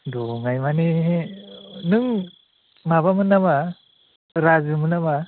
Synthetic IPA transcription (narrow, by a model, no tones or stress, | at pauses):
dɔŋajmaniɦe | nɯŋ | maβamɯnːaba | ɾazɯmɯnaba